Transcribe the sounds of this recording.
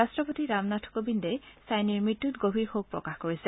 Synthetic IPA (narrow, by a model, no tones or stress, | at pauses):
astɹɔpotiɹamnatʰɔ̥kobindesajniɹmitːutɡobʱiɹxok̚pɹɔ̰kaxkoɹisɛ